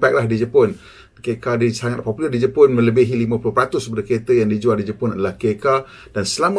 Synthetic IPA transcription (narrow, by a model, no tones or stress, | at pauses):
pɛk̚lahdid͡ʒəpɔn | kekadisaŋat̪̚pɔpulərdid͡ʒəpɔnmə̃ləbiɦilimə̃pulʊpɾat̪ʊsəpadəket̪əjaŋdid͡ʒualdid͡ʒəpʊnadalahkeka | d̥ansəlamə